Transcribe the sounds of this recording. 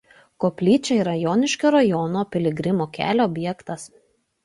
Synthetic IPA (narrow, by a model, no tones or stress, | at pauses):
koːpʲlʲiːt͡ʃʲɛiɾɐjɔːnʲɪʃʲkʲoːɾɐjɔnoːpʲɪlʲɪɡɾʲɪmoːkʲæ̰ːlʲoɔbʲjɛkt̪ɐs